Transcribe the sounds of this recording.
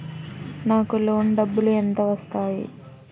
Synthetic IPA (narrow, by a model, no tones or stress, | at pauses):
naːkulo̞ːɳɖɐbːuluent̪ɐʋɐst̪aːjḭ